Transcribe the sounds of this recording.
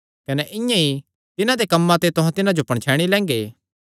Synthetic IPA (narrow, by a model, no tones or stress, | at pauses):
kɐnɛʔɪ̃jãi | t̪ɪnãd̪ekɐmːãt̪et̪ʊɦãt̪ɪnãd͡ʒopɐɽ̃t͡ʃʰɛːɽ̃ilɛ̃ːŋ̆ɡeː